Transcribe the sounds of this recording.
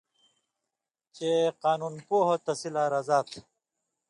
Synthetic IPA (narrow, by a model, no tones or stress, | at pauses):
t͡ɕeqaːnuːnpuːɦot̪ɐsilaɾɐzaːt̪ʰ